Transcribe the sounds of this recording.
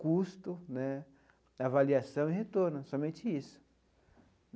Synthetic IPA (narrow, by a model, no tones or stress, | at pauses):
kust̪ʊnɛ | avaliasɐ̃w̃ɪɦet̪oɾnʊsɔmẽnt͡ʃɪisʊ̥